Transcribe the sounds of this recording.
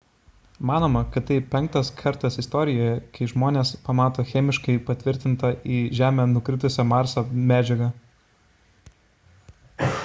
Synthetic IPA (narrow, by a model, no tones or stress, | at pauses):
mɑːnoːmɐkɐt̪t̪ɐɪpʲɛŋk̚t̪ɐskʰɐɾt̪ɐsɪst̪ɔːɾʲɪjoːjɛkɐɪʒmoːnʲeːspɐmɑːt̪oːxʲɛmʲɪʃkɐɪpɐt̪ʲʋʲɪɾʲt̪ʲɪnt̪ɐʔiːʒʲæːmʲɛːnʊkɾʲɪt̪ʊsʲɛmɑːɾsoːmʲæːd͡ʒʲɛɡɐ